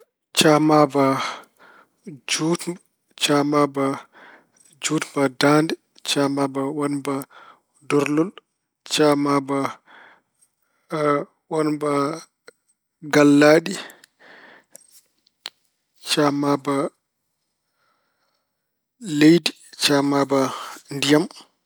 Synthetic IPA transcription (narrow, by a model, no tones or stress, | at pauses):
t͡ʃamaba | d͡ʒutm | t͡ʃamaba | d͡ʒutmbadaːndɛ | t͡ʃamabawanba | dɔɾlɔl | t͡ʃamaba | wanba | ɡalːaːɗi | t͡ʃamaba | lejdi | t͡ʃamabandijam